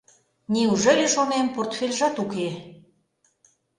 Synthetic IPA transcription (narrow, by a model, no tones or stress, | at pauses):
niuʒelʲeʃomemport̪fʲelʲʒɑt̪uke